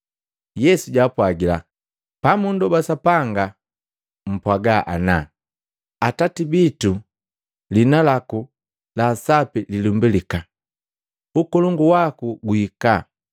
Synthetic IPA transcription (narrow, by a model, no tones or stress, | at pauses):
jɛsuɟaːpwaɡila̰ | pamundɔbasapaŋɡa | m̩pwaɡaʔana | atatibitu | linalaku | lasapililumbilika | ukɔlɔŋɡuwakuɡuhika